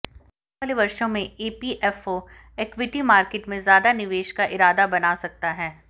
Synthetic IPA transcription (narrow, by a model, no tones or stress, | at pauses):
əleʋɐɾʃõmẽeːpiʔɛfoː | ekʋɪʈimaːɾkeːʈmẽzjaːd̪anɪʋeːʃkaʔɪɾaːd̪abɐnaːsɐk̚t̪aɦɛː